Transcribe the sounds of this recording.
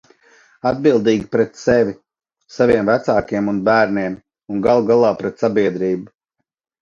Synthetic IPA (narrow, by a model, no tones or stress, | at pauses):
ad̪̚bilˠd̪iːɡʲipɾɛt̪sɛvʲi | savʲiɛmvæt̪saːkiɛmunbæːɾniɛm | unɡalˠuɡalˠɑːpɾɛt̪sabiɛd̪ɾiːbu